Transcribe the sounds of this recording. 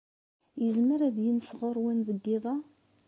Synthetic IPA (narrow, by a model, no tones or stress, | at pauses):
jəzməɾæðjənsʁoɾˤwænðəɡːɪðˤɑ